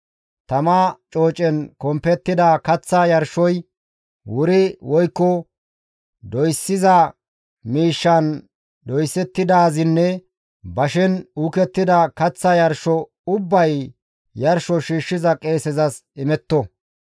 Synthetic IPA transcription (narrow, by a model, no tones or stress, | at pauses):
t̪ɐmat͡ʃʼo̞ːt͡ʃʼɛnkɔmpɛt̪ːɪd̪ɐkɐt͡sːɐjɐɾʃɔj | wʊɾɪwɔjkːɔ | d̪ɔjsːɪzɐ | miːʃːɐn | d̪ɔjsɛt̪ːɪd̪aːzɪnːɛ | bɐʃɛnukɛt̪ːɪd̪ɐkɐt͡sːɐjɐɾʃɔ | ʊbːɐj | jɐɾʃɔʃiːʃːɪzɐkʼe̞ːsɛzɐsɪmɛt̪ːɔ